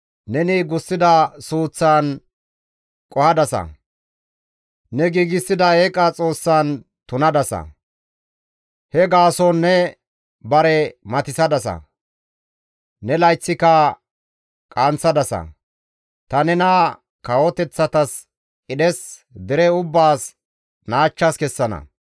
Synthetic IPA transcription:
nɛnɪɡʊsːɪd̪ɐsuːt͡sːaːn | kʼɔhɐd̪ɐsɐ̰ | nɛɡiːɡɪsːɪd̪ɐeːkʼɐt͡sʼo̞ːsːaːn | t̪ʊnɐd̪ɐsɐ̰ | hɛɡaːsɔnːɛ | bɐɾɛmɐt̪ɪsɐd̪ɐsɐ̰ | nɛlɐjt͡sːɪkɐ | kʼant͡sːɐd̪ɐsɐ̰ | t̪ɐnɛnɐ | kɐwɔt̪ɛt͡sːɐt̪ɐs | kʼɪɗɛsd̪ɪɾɛʊbːaːs | naːt͡ʃːaskɛsːɐnɐ̰

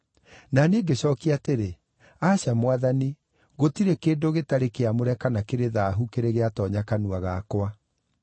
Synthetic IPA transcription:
naneːɡeɕɔːkiateɾe | aːɕamwaðani | ɣotiɾekeːndoɣetaɾekeamoɾɛkanakeɾeðaɦukeɾeɣeatɔːɲakanuaɣakwa

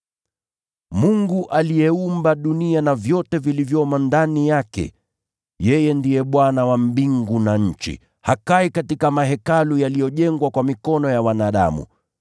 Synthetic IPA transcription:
muŋɡuʔalijɛumbaɗunianavjɔtɛvilivjɔmandanijakɛ̰ | jɛjɛndijɛɓwanawam̩biŋɡunaɲ̩t͡ʃḭ | hakaikatikamaɦɛkalujalijɔʄɛŋɡwakwamikɔnɔjawanaːɗa̰mṵ

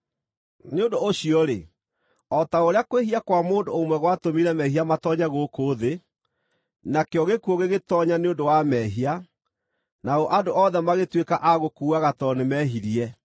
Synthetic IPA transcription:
neondoːɕiɔɾe | ɔtaoɾeakweɦiakwamoːndoomwɛɣwatomiɾɛmɛɦiamatɔɲaɣokoðe | nakeɔɣekuoɣeɣetɔɲaneondowamɛɦia | naoʔadoʔɔðɛmaɣetwekaʔaɣokuːaɣatɔnemɛɦiɾiɛ

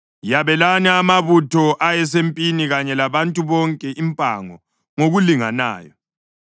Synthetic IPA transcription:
jaβɛlaniamaβutʰɔʔajɛs̬empʼiniɣaɲɛlaβantʼuβɔŋkʼɛʔimpʼa̰ŋɔ | ŋoɣuliŋa̰na̰ːjɔ

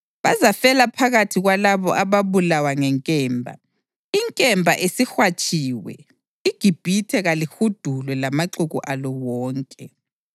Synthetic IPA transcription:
βazafɛlapʰaɣatʰiɣwalaβɔ̰ʔaβaβulawaŋɛŋkʼɛːmbʱa̰ | iŋkʼɛmbʱaʔesixwat͡ʃʼiːwɛ̰ | iɡ̥ʱib̥ʱitʰɛɣalixud̥ʱulwɛlamaǁuɣuʔalɔwɔːŋkʼɛ

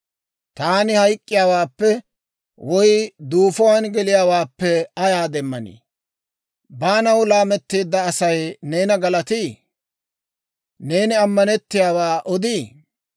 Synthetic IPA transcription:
t̪aːnɪhɐjkʼːɪjaːwaːpːɛ | wɔjd̪uːfɔwaːnɡɛlɪjaːwaːpːɛɐjaːd̪ɛmːɐnḭː | baːnɐwlaːmɛt̪ːiːd̪ːɐːsɐjne̞ːnɐɡɐlɐt̪iː | ne̞ːnɪɐmːɐnɛt̪ːɪjaːwaːʔɔd̪iː

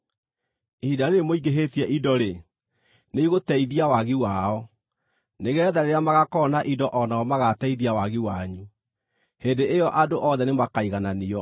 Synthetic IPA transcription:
idaɾemoiɡeɦetiɛʔidɔɾe | neiɣotɛiðiawaɣiwaɔ | neɣɛːðaɾeɾamaɣakɔnaʔidɔʔɔnaɔmaɣatɛiðiawaɣiwaɲu | hendeʔejɔʔadoʔɔðɛnemakaiɣananiɔ

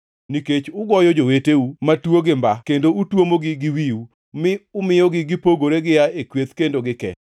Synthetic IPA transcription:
niket͡ʃʊɡɔjɔd͡ʒoweteumatwoɡɪmbakendoutwomoɡɪɡɪwiu | mɪʊmɪjɔɡɪɡɪpoɡoɾeɡɪjaekwet̪kendoɡɪkɛ̰

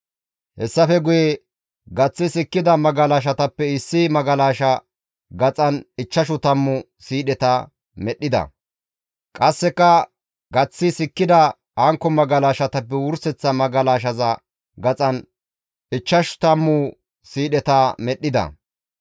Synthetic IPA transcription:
hɛsːɐfɛɡʊjɛ | ɡɐt͡sːɪsɪkːɪd̪ɐmɐɡɐlaːʃ̬ɐt̪ɐpːɛɪsːɪmɐɡɐlaːʃɐ | ɡɐt͡sʼɐnɪt͡ʃːɐʃ̬ʊt̪ɐmːʊ | siːɗɛt̪ɐ | mɛɗːɪd̪ɐ̰ | kʼɐsːɛkːɐ | ɡɐt͡sːɪsɪkːɪd̪ɐ | hɐŋkːɔmɐɡɐlaːʃɐt̪ɐpːɛwʊɾsɛt͡sːɐmɐɡɐlaːʃ̬ɐzɐ | ɡɐt͡sʼɐn | ɪt͡ʃːɐʃt̪ɐmːʊ | siːɗɛt̪ɐmɛɗːɪd̪ɐ̰

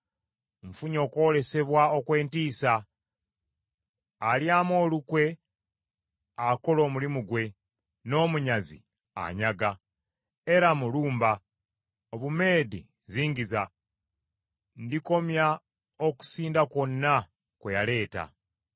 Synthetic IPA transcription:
ɱfuɲo̞ːko̞le̞se̞βwao̞kwe̞ːntiːsa | ljaːmo̞ːlukwe̞ | ako̞lo̞ːmulimuɡwe̞ | no̞ːmuɲazḭ | a̰ɲaɡa | e̞ɾamuluːmba | oβume̞ːdḭ | ziːɲɟiza | ndiko̞mja | oku̥siːndako̞nːa | kwejale̞ːta̰

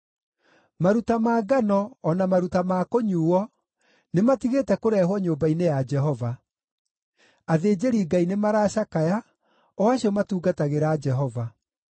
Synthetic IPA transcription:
maɾutamaːɡanɔːnamaɾutamaːkoɲuːwɔ | nematiɣetɛkoɾɛɦwɔɲoːmbainejad͡ʒɛɦɔva | aðeːd͡ʑeɾiːɡainemaɾaːɕakaja | ɔaɕiɔmatuːɡataɣeɾaːd͡ʒɛɦɔva

